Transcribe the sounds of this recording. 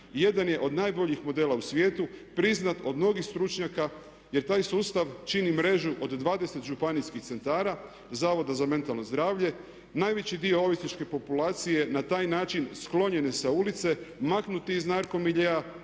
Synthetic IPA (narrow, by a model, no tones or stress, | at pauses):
je̞d̪anje̞ʔo̞d̪naːjbo̞ʎixmo̞d̪e̞ːlausʋje̞ːt̪upɾiznat̪o̞d̪mno̞ɡixst̪ɾut͡ʃɲaka | je̞ɾt̪aːjsuːst̪aʋt͡ʃinimɾe̞ʒuʔo̞d̪d̪ʋaːd̪e̞set̪ʒupaniskixt̪se̞nt̪aːɾa | zaːʋod̪azame̞nt̪alˠnozd̪ɾaːʋʎe̞ | naːjʋet͡ɕid̪io̞o̞ʋisnit͡ʃke̞po̞pulaːt̪sije̞nat̪aːjnaːt͡ʃinsklˠo̞ɲe̞ne̞saulit̪se̞maknut̪iiznaɾko̞miʎea